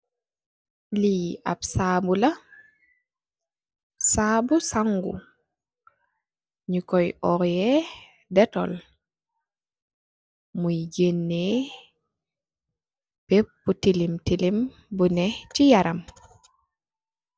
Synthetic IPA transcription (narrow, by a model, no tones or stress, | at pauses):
liabsaːbula | sabusaŋɡṵ | ɲikɔjʔɔɾjɛ | dɛtɔ̰l | mujɟenːe | b̥epːutilimtilim | bunɛt͡ʃijaɾam